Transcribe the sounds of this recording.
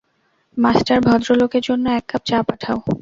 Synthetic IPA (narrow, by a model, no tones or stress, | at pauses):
masʈaɾbʱɔd̪ɾolokeɾd͡ʑonːoɛkːap̚t͡ɕapaʈʰao